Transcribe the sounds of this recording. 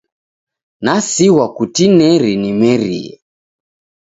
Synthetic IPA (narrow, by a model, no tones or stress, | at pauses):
nasiwakutinɛɾinimɛɾḭɛ̰